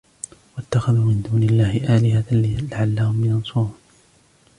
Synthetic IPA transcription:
wat̪ːaxaðuːmɪnd̪uːnɪlːaːhɪʔaːlɪɦalɪlaʕalːahʊmjɑnsˤʊɾuːn

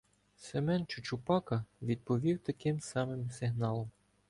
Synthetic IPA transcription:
semɛnt͡ʃʊt͡ʃʊpɑkɐʋʲid̪̚pɔʋʲiwt̪ɐkɪmsɑmɪmsɪɦnɑlˠɔm

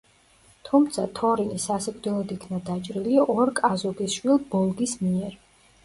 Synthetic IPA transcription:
t̪ʰumt̪sʰat̪ʰɔɾinisasɛɡʼd̪ɛlˠɔd̪ikʰnad̪at͡ʃʼɾiliɔɾkʼazɔɡisʃwilˠbɔlˠɡismiɛɾ

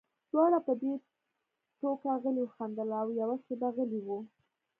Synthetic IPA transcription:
d̪̥wɑɽapəd̪e | ʈokaɣəliwxand̪əlawjawaʃebaɣəliwu

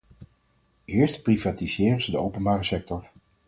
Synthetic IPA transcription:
ɪːɹstprivaːtizɪːrəzədəowpənbaːrəsɛk̚tɔɹ

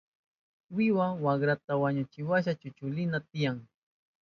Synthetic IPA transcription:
wɪwawaɡɾat̪awaɲʊt͡ʃɪwaʃ̬at͡ʃʊt͡ʃʊlɪnat̪ɪjaŋ

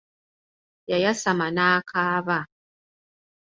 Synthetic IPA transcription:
jajasamanaːkʰaːβa

